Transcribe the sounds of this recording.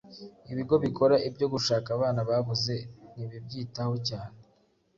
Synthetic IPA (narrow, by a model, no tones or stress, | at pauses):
iβiɡo̞βiko̞ɾaʔibɟo̞ɡuʃaːkaβaːnaβaβuze̞niβib̚ɟiːtaho̞caːne